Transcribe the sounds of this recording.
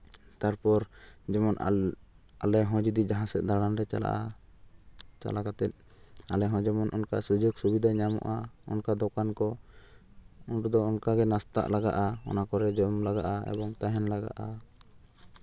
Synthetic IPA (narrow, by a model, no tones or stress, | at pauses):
t̪aɾpɔɾd͡ʒɛmɔn | alɛɦɔ̃d͡ʒid̪id͡ʒaɦãsɛt̪̚ˀd̪aɽanɾɛt͡ʃa̰la̰ʔa | t͡ʃa̰lakat̪ɛt̪̚alɛɦɔ̃d͡ʒɛmɔnʔɔnka̰sud͡ʒɔɡsubid̪ʱaɲamɔ̰ʔaɔ̰nkad̪ɔkankɔ | ɔnʈud̪ɔɔnkaɡɛnast̪a̰ʔlaɡa̰ʔaɔ̰nakɔɾɛd͡ʒɔmlaɡaʔaɛ̰bɔŋt̪aɦɛnlaɡa̰ʔa